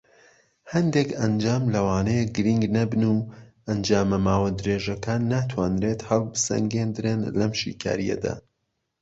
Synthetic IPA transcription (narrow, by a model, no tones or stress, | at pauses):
hɐnd̪ekɐnd͡ʒaːmlɐwaːnejɡɨɾiŋɡnɐbɨnuːʔɐnd͡ʒaːmɐmaːwɐd̪ɨɾeːʒɐkaːnːaːt̪ʰwaːnɾet̪hɐlˠbɨsɐ̰ŋɡend̪ɨɾenlɐmʃḭkʰa̰ːɾijɐ̰d̪a̰ː